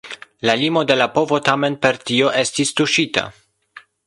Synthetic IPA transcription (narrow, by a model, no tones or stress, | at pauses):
lalimo̞de̞lapo̞vo̞tame̞npe̞ɾtio̞ʔe̞stistuʃita̰